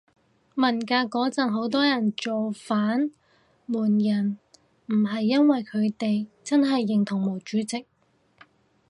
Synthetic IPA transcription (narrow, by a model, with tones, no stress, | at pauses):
mɐ˨˩nkaː˧kɔː˨˥t͡sɐ˨˩nɦo˨˥wt̪ɔː˥jɐ˨˩nt͡so˨wfaː˨˥n | muː˨˩njɐ˨˩n | m̩˨˩ɦɐ˨jːɐ˥nwɐ˨jkʰɵ˨˧ɥt̪e˨jt͡sɐ˥nɦɐ˨jːɪ˨ŋt̪ʰʊ˨˩ŋmo˨˩wt͡ʃyː˨˥t͡sɪ˨k̚